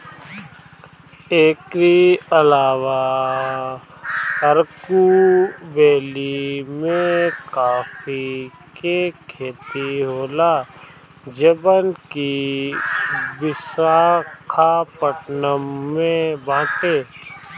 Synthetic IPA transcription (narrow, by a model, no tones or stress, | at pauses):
eːkɾiəlaːwa | əɾkubeːlimẽkaːfi | kekʰeːt̪iɦoːla | d͡ʒəbənki | bɪsaːkʰapəʈnəmːẽbãːʈeː